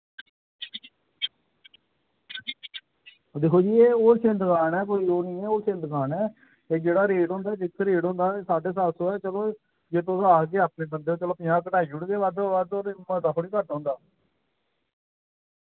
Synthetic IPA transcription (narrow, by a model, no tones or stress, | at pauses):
d̪eːkʰoːd͡ʒiːeːoːsɪ̃nd̪kaːnɛːk̬oːiːoːniːɛːoːsɪ̃nd̪ɡaːnɛː | eːd͡ʒeːɽaːɾeːɖɦõːnd̪aːd͡ʒɪkʰːɾeːɖõːnd̪aːsaːɖeːs̬aːsõːɛːt͡ʃəloː | d͡ʒet̪osaːɡeːaːpneːbənd̪eːoːt͡ʃəloːpɪ̃jãːkəʈaːiːd͡ʒʊɽɡeːʋad̪ʋad̪oːɾmət̪aːkʰoɽiːkəʈɔ̃ːnd̪aː